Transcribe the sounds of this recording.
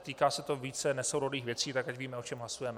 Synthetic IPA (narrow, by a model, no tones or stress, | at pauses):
t̪iːkaːsɛt̪oviːt͡sɛnɛsowɾodiːxvjɛt͡siːt̪akacviːmɛo̞t͡ʃɛmɦlasujɛmɛ